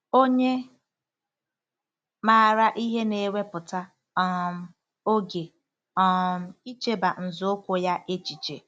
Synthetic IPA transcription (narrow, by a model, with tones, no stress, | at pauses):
o˦ɲe˦ | maː˦˨ɾa˦ʔi˦ɦe˦ne˨˦we˦pʊ˨ta˦ | ɔ˦m˦ | o˦ɡe˨ | ɔ˦m̩˦i˦t͡ʃe˦ba˨n̩˨zʊ˨˦kʷo˨ja˦ʔe˦t͡ʃi˨t͡ʃḛ˨